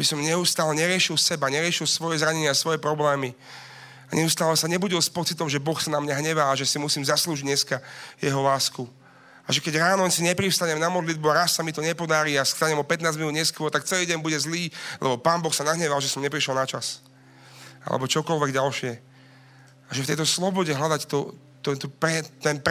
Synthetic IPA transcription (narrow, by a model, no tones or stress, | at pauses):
bisɔmɲɛust̪aːlɛɲɛɾɪɛʃilsɛbaɲɛɾɪɛʃilsʋɔjɛzɾaɲɛɲɪasʋɔjɛpɾɔblɛːmi | aɲʔɛust̪aːlɛsaɲɛbuɟilspɔt͡sit̪ɔmʒɛbɔxsanamɲaɦɲɛʋaːʒɛsimusiːmzasluːʒiɟɲɛskajɛɦɔlaːsku | a̰ʒɛkɛɟɾaːnɔnsiɲɛpɾifst̪aɲɛmnamɔd̪lid̪̚buaɾasːamit̪ɔɲɛpɔd̪aɾiːask̪aɲɛmɔpɛt̪naːd͡zminuːd̪ɲɛskʊɔɾt̪ak̚t͡sɛliːɟɛnbuɟɛzliːlʔɛbɔpaːnbɔxsanaɦɲɛʋalʒɛsɔmɲɛpɾiʃɛlnat͡ʃas | a̰lɛ̰bɔt͡ʃɔkɔlʋɛɡɟalʃɪɛ | aʒɛft̪ɛjt̪ɔslɔbɔɟɛɦlad̪act̪ɔ | t̪ɛt̪ɔpɾɛt̪ɛnp